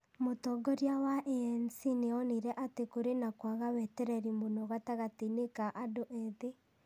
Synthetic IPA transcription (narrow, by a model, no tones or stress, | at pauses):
motɔɡɔɾjawaʔɛɛnsineɔniɾɛʔatekoɾenakwaɣawɛtɛɾɛɾimonɔɣataɣatinekaʔadoʔɛðe